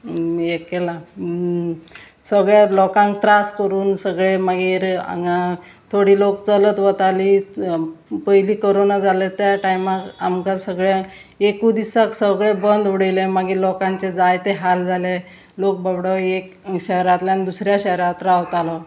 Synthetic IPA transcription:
ekela | səɡɭjalɔkãŋk̚t̪ɾaskəɾuːnsəɡɭemaɡiːɾa̰a | t̪ʰoɽiːlokt͡sələt̪ʋət̪aliː | pəɦiliːkəɾonad͡zalet̪jaʈajmakamkasəɡɭa | ekud̪isaksəɡɭebənd̪ʋuɽəjlemaɡiːɾlɔkãɲt͡ɕed͡zajt̪eɦald͡zʱale | lok̚babɽəek | ɕɛɦɾat̪lanid̪usɾjaɕəɦɾat̪ɾaʋt̪alɔ

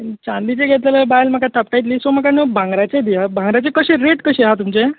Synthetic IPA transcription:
t͡ɕãnd̪it͡seɡʱet̪leləbajlməkat̪ʰap̚ʈajt̪liːsoməkanəbʱãŋɡɾat͡sed̪iabʱãŋɡɾat͡sekəɕeɾeʈkəɕeɦat̪umt͡ɕe

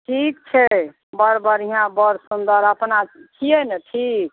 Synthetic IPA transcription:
ʈʰik̚t͡ʃʰɛ | bəɾbəɾiɦãbəɾsund̪əɾəpnat͡ʃʰiɛnɛʈʰik̚

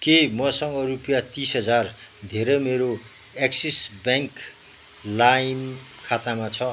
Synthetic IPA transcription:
kemʌsʌŋɡʌɾupjat̪isɦʌd͡zard̪ʱeɾʌjmeɾo | eksisbjaŋk | lajmkʰat̪amat͡sʰʌ

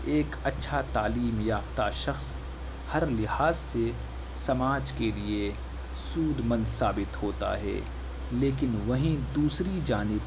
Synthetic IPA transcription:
eːkɐtːʃʰat̪aːliːmjaːft̪aʃɐxs | hɐɾlɪhaːzse | sɐmaːd͡ʒkelie | suːd̪mɐ̃nd̪saːbɪt̪hoːt̪a̰ɦɛ̰ː | leːkɪnʋɐɦĩd̪uːsɾid͡ʒaːnɪb

